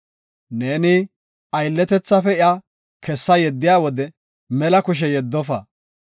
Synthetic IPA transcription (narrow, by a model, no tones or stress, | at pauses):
neːnɪ | ɐjlːɛt̪ɛt͡sːɐfɛɪa | kɛsːɐjɛd̪ːɪjaːwɔd̪ɛ | mɛlɐkʊʃ̬ɛjɛd̪ːɔfɐ